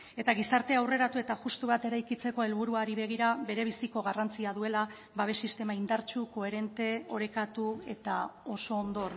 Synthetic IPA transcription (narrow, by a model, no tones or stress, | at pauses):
e̞t̪aɣ̞isaɾt̪e̞awre̞ɾat̪ue̞t̪aʝust̪uβ̞at̪e̞ɾajkit͡se̞ko̞e̞lβuɾuaɾiβe̞ɣ̞iɾaβe̞ɾe̞β̞isiko̞ɣarant͡siaðue̞la | baβe̞sist̪e̞maind̪aɾt͡ʃuko̞e̞ɾe̞nt̪e̞o̞ɾe̞kat̪ue̞t̪ao̞so̞ːnd̪o̞r